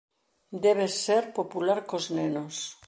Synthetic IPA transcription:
d̪eβeseɾpopulaɾkoznenos

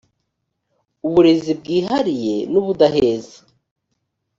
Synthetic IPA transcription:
uβuɾezib̚ɡiːɦaɾije̞nuβud̪aɦeːzḁ

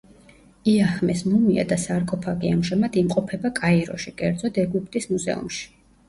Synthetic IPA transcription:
iahmɛsmumia̰d̪asaɾkʼɔpʰaɡiamʒamad̪imqʼɔpʰɛbakʼaiɾɔ̰ʃikʼɛɾd̪zɔd̪ɛɡupʰt̪ʼismuzɛ̰ṵmʃi̥

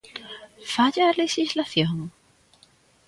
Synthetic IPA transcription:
faʎalexislaθjoŋ

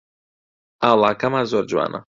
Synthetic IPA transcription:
alˠakamazoɾd͡ʒwa̰nʔa̰

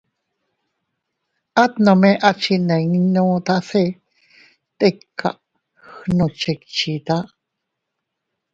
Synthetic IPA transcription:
at̪nomeʔat͡ʃineŋnot̪ase | t̪ekʰːa̰ʔ | xnot͡ʃekt͡ʃit̪a

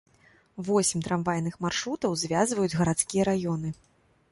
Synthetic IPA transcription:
vɔsʲmʲt̪ɾamvajnɨxmarʂɾut̪ɐwzvʲazvɐjud͡zʲɣɐɾat̪skʲijɐɾajɔn̪ɨ

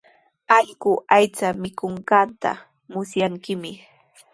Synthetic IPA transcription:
aʎɢʊajt͡samɪkoɴɢɑnt̪a̰ | mʊsjaŋkɪmɪ

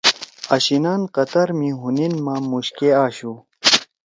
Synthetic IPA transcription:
ɐɕinaːnqɐt̪ɐɾmiɦuninmamuɕkeaːɕu

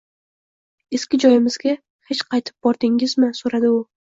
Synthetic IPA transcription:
e̞skʲɪd͡ʒɒjɪmɪzɡʲa | het͡ʃqʰɑjt̪ʰɪ̥p̚bɒɾd̪ɪŋɪzmɪsoɾad̪ɪʊ

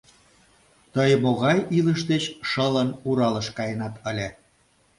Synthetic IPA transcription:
t̪əjmoɣɑjiləʃ̬d̪et͡ɕʃələnuɾɑləʃkɑjənɑt̪əlʲe

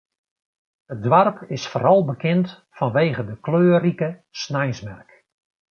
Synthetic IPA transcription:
ət̚dʋarpʰɪsfoːɾɑlˠbəkʰɪnt | fɔnʋeːɣədəkløːrikəsnɛjsmɛrk

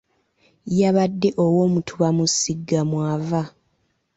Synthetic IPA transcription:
jaβadːe̞ʔowo̞ːmutʰuβamusiɡːamwaːva

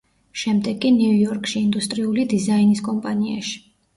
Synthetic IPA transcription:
ʃɛmd̪ɛɡʼiniujɔɾkʼʃiːnd̪ust̪ʼɾiulid̪izainiskʼɔmpʼania̰ʃi̥

